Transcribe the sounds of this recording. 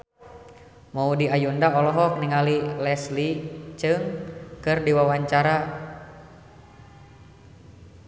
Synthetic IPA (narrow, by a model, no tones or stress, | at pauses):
maudiajundaɔlɔɦɔk̚niŋalilɛslit͡ʃɨŋkɨrdiwawaɲt͡ʃaɾa